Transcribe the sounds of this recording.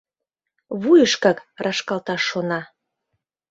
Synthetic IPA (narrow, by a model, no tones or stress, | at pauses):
βujəʃkɑkrʔɑʃkɑlt̪ɑʃːonɑ